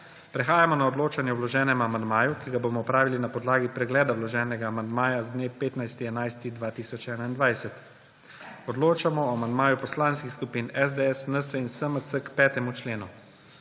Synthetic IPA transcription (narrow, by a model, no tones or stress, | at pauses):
pɾɛxaːjamɔnaɔd̪loːt͡ʃanjɛwlɔʒɛːnɛmamand̪maːjukiɡabomɔɔpɾaːʋilinapɔd̪laːɡipɾɛɡlɛːd̪awlɔʒɛːnɛɡaːmand̪maːjazd̪neːpeːt̪najst̪iɛnajst̪id̪ʋaːt̪iːsɔt͡ʃɛːnaind̪ʋajsɛt̪ | ɔd̪loːt͡ʃamɔɔamand̪maːjupɔslaːnskixskupinɛzd̪eɛsnəsəinsəməsəkpɛːt̪ɛmut͡ʃleːnu